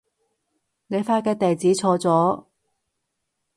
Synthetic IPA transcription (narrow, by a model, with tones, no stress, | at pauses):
ne˨˧jfaː˧kɛː˧t̪e˨˩jt͡siː˨˥t͡sʰɔː˧t͡sɔː˨˥